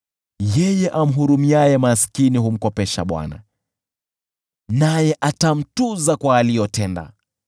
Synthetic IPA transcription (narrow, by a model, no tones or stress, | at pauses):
jɛjɛʔam̩ɦuɾumiajɛmaskiniɦum̩kɔpɛʃa̰ɓwa̰na̰ | najɛʔatam̩tuzakwaːlijɔtɛnda̰